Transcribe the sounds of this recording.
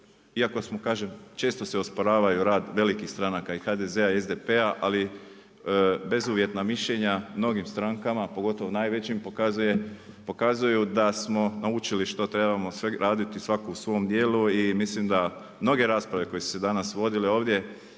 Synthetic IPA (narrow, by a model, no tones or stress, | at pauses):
iako̞smokaːʒemt͡ʃe̞ːst̪o̞seospoɾaːʋajuɾaːd̪ʋe̞likixst̪ɾanakaixaːd̪e̞ze̞aiezd̪epe̞aʔali | be̞zuːʋje̞t̪namiʃʎe̞ɲamno̞ɡimst̪ɾaŋkamapo̞ɡo̞t̪o̞ʋonaːjʋe̞t͡ɕimpokazuje | po̞kazujud̪asmo̞naut͡ʃiliʃt̪o̞t̪ɾe̞bamo̞sʋeɾʔaːd̪it̪isʋakousʋo̞md̪je̞ːluimislimd̪a | mno̞ɡe̞ɾaːspɾaʋe̞ko̞jesu̥sed̪anasʋo̞d̪ileo̞ːʋd̪je̞